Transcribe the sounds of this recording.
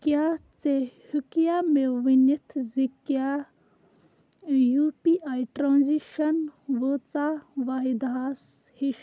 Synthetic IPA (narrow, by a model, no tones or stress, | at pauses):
kjat͡sehukjameʋinit̪ʰzikja | jupiʔajʈɾãːnziʃɐnʋət͡saʋaɦid̪ɦaːs | hiʃ